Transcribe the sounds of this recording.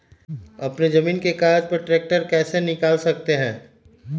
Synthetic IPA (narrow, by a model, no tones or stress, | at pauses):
ɐpned͡ʒɐmiːnkekaːɾd͡ʒpɐɾʈɾeːk̚ʈəɾkɛːsenɪkaːlsɐk̚t̪eɦɛ̃ː